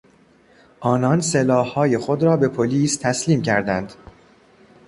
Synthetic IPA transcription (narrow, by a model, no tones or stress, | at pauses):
ʔɒːnɒnselɒːhːɒːje̞xo̞d̪ɾɒːbe̞pʰoliːst̪ʰæsliːmcʰæɾd̪ænd̪̥